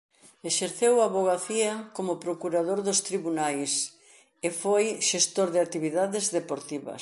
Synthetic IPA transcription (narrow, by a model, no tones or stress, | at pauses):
eʃeɾθewaβoɣ̞aθiɐkomʊpɾokuɾaðoɾðʊst̪ɾiβunajs | efojʃest̪oɾðɪat̪iβiðaðezðepoɾt̪iβɐ̰s